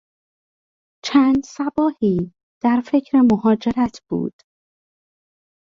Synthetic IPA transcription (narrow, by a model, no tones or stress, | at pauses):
t͡ʃʰæːnd̪sæbɒːhiː | d̪̥æɾfe̞cʰɾe̞mohɒːd͡ʒe̞ɾæt̪ʰb̥ṵːd̪̥